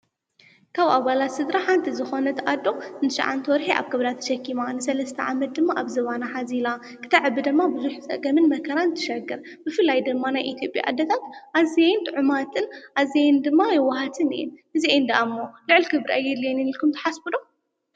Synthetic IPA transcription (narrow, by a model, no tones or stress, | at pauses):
kʰaβʔaβalat̪sɨd̪ɾaħant̪ʰizɨxo̞nɐt̪ʰɐʔad̪ːo̞ɨnt̪ʰɨʃa̰ʕa̰nt̪ʰɐwɔɾħiʔa̰βkʰɨβd̪at̪ʰɐ̥ʃɐkːimanɨsɐlɐst̪ʰɐʕamɐt̪̚d̪ɨmːaʔaβzɐβanaħazila | kʰɨ̥t̪ʰɐʕɨbːɨd̪ɨmːabɨzuħsʼɐ̰ʔɡɐmɨnmɐkʰɐɾant̪ʰɨ̥ʃɐɡɨɾ | bɨfɨlajd̪ɨmːanajʔit̪ʰjo̞pʼja̰ʔad̪ːɐt̪ʰat̪ʔazejnt̪ʰʼɨʕʊmat̪ʰʼɨnʔazejnd̪ɨmːajɪwːɐhat̪ʰɨnɨ̰jɛ̰nhɨziʔend̪ɐʔamːolɨʕɨlkʰɨβɾʔajːɛd̪ljɛninilkʰumt̪ɐ̥ħasbɨd̪o